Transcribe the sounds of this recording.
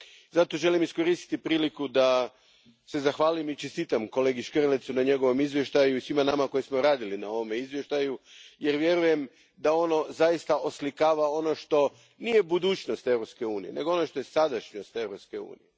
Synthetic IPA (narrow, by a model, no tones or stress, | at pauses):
zat̪o̞ʒe̞limisko̞ɾist̪i̥t̪ipɾiːlikud̪a | se̞zaxʋaːlimit͡ʃest̪iːt̪amko̞le̞ɡiʃkrlet̪sunaɲe̞ɡo̞ʋo̞mizʋje̞ʃt̪ajuisʋimanamako̞jismo̞ɾaːd̪ilinao̞ʋome̞izʋje̞ʃt̪ajuje̞ɾʋje̞ɾuje̞m | d̪ao̞no̞zaist̪aʔoslikaːʋao̞no̞ʃt̪o̞ | nije̞bud̪uːt͡ʃno̞st̪e̞ʋɾopske̞uːnije̞̰ne̞ɡo̞o̞no̞ʃt̪o̞je̞sad̪aʃɲo̞st̪e̞ʋɾo̞pske̞ṵːnḭje